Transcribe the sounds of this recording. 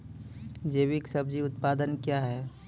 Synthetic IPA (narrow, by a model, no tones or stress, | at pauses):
d͡ʒeːwɪksɐbd͡ʒiʊt̪paːd̪ənkjaɦɛː